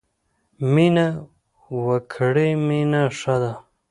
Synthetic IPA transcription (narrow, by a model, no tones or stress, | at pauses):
mina | wakʰɽeminaʂad̪a